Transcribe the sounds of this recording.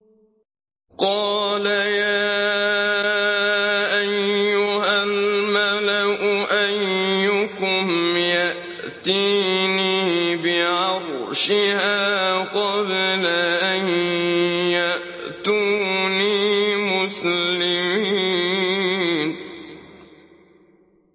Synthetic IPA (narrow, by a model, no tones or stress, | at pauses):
qɑːlajaaː | ʔajːʊhalmalaʔʊʔajːʊkʊmjaʔ | t̪iːniːbɪʕɑɾrˤʃɪhaːqɑblaʔaj | jaʔ | t̪uːniːmʊslɪmiː | n